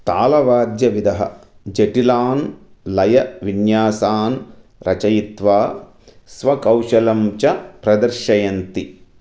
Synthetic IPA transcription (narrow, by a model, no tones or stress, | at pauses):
t̪a̰ːlɐʋaːd̪jɐʋid̪ɐɦɐ̰d͡ʒeʈilaːnlɐjɐʋinjaːsaːn | ɾʔɐt͡ʃɐjit̪ʋaː | sʋɐkɐwʃɐlɐmt͡ʃɐpɾɐd̪ɐɾʃɐjɐnt̪i